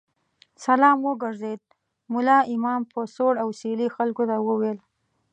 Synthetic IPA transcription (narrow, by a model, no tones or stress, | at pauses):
salɑmwəɡaɾzed̪̚ | mʊlɑɪmɑmpəsoɽawselixalkot̪awəwel